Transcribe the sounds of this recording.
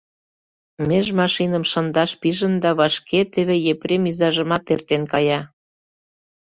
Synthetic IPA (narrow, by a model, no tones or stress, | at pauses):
meʒmɑʃinə̆mʃɤnd̪ɑʃpiʒə̆nd̪ɑβɑʃkʰet̪eβejepɾemizɑʒə̆mɑt̪ert̪enkɑjɑ